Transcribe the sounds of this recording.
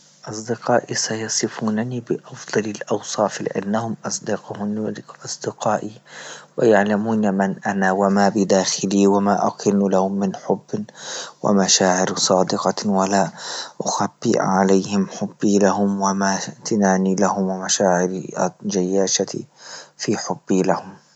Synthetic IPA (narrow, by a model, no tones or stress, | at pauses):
ʔɑsˤd̪ɪqɑːʔisajɑsˤɨfuːnanibɪʔɑfd̪̥ˤɑlɪlʔɑwsˤɑːflɪ̰ʕɪ̰nnːahʊmʔɑsˤd̪ɪqhnʔɑsˤd̪ɪqɑːʔiwajaʕlamuːnamanʔanawamabɪd̪aːxɪliwamaːʔaqʰɪnːulahʊmːɪnħʊbːwa̰maʃaːʕɪɾsˤɑːd̪ɪqɑwalaːʔʊxabːḭʔʕalajhɪmħʊbːilahʊmwamat̪ɪnaːnilahʊmwamaʃaːʕɪɾd͡ʒajːaːʃat̪ḭfiːħʊbːilahʊm